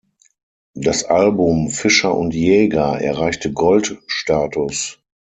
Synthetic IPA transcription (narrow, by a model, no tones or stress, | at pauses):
d̥asʔalbʊmfɪʃɐʔʊ̰ntjɛːɡaʔɛ̰ɐʁaɪçtəɡɔltʃtaːtʊs